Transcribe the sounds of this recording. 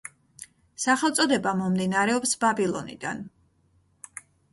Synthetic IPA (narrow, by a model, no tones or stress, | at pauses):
saχɛlˠt̪sʼɔd̪ɛbamɔmd̪inaɾɛɔpsbabilˠɔnḭd̪a̰n